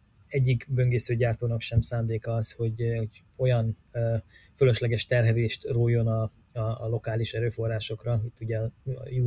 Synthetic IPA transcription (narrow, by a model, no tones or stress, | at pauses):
ɛɟːikbø̞ŋɡeːsøːɟaːrt̪oːnɒkʃɛmsaːnd̪eːkɒɒsho̞ɟoɟ | o̞jɒnøfølø̞ʃlɛɡɛʃt̪ɛrɦɛleːʃt̪roːjːo̞nɒ | ɒːlo̞kaːliʃɛɾøːfo̞rːaːʃo̞krɒit̪ːuɟɛ̰ju